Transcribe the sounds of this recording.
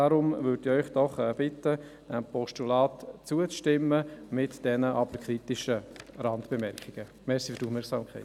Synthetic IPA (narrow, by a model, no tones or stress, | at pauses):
aɾʊmvʏːɾdɪœʏχd̥ɔχɛb̥ɪtə | əpʰɔʃtulɑːtt͡suət͡sʃtɪmːəmɪtd̥ɛnəʔɑbəɾkʰɾitɪʃəɾɑndb̥emɛɾkχɪɡ̥ə | mɛsi̥fyɾdufmɛɾksɑːmkʰɛɪt